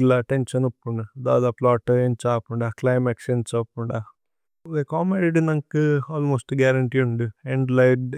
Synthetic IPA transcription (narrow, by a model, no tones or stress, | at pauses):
laʈenʃɐnupːuɳɖɐd̪aːd̪aːplaːʈɐeːnt͡ʃaːpuɳɖaklɐjmeksensaːpːuɳɖa | dekaːmeɖiɖinɐŋkuaːlmoːsʈɡaːɾɐɳʈiːuɳɖieɳɖlɐjɖ